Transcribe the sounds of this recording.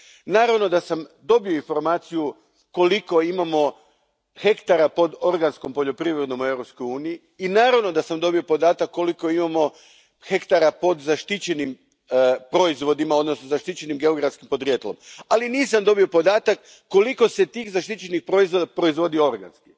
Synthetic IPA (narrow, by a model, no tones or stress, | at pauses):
naːɾaʋno̞d̪asamd̪o̞bioinfo̞ɾmaːt̪siju | ko̞liko̞imamo̞ | xe̞kt̪aɾapo̞d̪o̞ɾɡansko̞mpo̞ʎo̞pɾiːʋɾed̪no̞mue̞ʋɾop̪skojuːnijiːnaːɾaʋno̞d̪asamd̪o̞bio̞po̞d̪aːt̪akːo̞liko̞imamo̞ | xe̞kt̪aɾapo̞d̪zaʃt̪it͡ɕe̞nim | pɾo̞izʋo̞d̪imao̞d̪no̞snozaʃt̪it͡ɕe̞nimɡeoɡɾafskimpod̪ɾjet̪lomaliniːsamd̪o̞bio̞po̞d̪aːt̪akː | o̞liko̞se̞t̪iːxzaʃt̪it͡ɕe̞nixpɾo̞izʋo̞d̪apɾo̞izʋo̞d̪io̞ɾɡa̰nski̥